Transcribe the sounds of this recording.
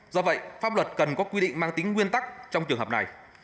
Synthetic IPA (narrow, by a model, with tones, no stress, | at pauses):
zɔ˧və̰˧˨jfaː˦˥p̚lə˨˩t̚kə˨˩nkɔ˨˦kwi˧ɗḭ̈˧˨ŋ̟maː˧ŋt̪i˨˦ŋ̟ŋwi˧ənt̪a˦˥k̚t͡ɕɔ˧wŋ͡mt͡ɕɨ˨˩ŋɦə˨˩pna˨˩j